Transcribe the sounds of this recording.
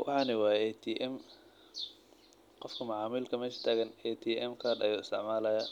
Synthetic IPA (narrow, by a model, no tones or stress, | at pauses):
wʔɑ̰ħɑːnɪwɑːɛt̪ʰiːʔɛm | qɔfkʰɐmʊʕɑːmiːlkʰɐmɛːʃɐ̥t̪ʰaːɣɐnɛt̪ʰiːʔɛmkʰaːrd̪ɐ̰juːɪst̪ʰɪʕmaːlɐja